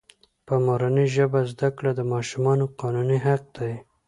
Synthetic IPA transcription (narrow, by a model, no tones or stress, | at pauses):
pəmoɾaniʒəbazd̪akɽad̪əmɑʃumɑnoqɑnuniɦaq̚d̪̥aj